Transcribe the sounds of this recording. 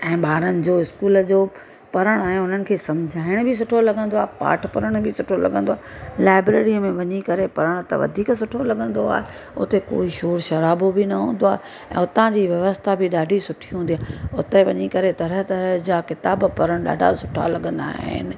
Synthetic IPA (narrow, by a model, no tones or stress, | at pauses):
ɛ̃ːɓaːɾənɪ̆d͡ʑoːɪskuːləd͡ʑoː | pɐɾəɽ̃aːɦɪnɦʊn̤ənɪ̆kʰeːsɐ̃md͡ʑʱaːɪɽ̃bʱɪs̬ʊʈʰolɐɠʱə̃nd̪oaːɦpa̰ːʈʰpɐɾəɽ̃bʱɪsʊʈʰolɐ̰ɠə̃nd̪oaːlaːɪbɾeːɾiəmẽʋɐɲikɐɾepɐɾəɽ̃t̪ɐ̰ʋɐ̰d̪ʱiːksʊʈʰolɐɠə̃nd̪oa̰ːɦe | ʊ̰t̪eko̰ːiʃoːɾʃɐɾaːbobʱɪnɐɦũːn̆d̪oaːɦe | ɛ̰̃ːʊt̪ãd͡ʑiːʋjɐʋəst̪ʰabʱɪɗaːɖʱisʊʈʰiɦũnd̪ijaːʊt̪eʋɐ̰ɲikɐɾet̪ɐɾəɦt̪ɐɾəɦd͡ʑaːkɪt̪aːbpɐɾəɽ̃ɗa̰ːɖʱa̰sʊʈʰa̰lɐɠə̃nd̪a̰ːɦɪ̰nɪ̆